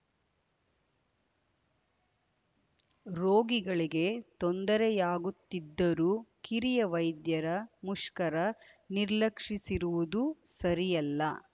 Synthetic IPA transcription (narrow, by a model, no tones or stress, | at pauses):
ɾoːɡiɡɐɭiɡe̞t̪ond̪ɐɾɛjaːɡut̪ːid̪ːɐɾuːkiɾijɐʋɐjd̪jɐɾɐmuʂkɐɾɐniɾlɐkʂisiɾuʋud̪usɐɾijɐlːɐ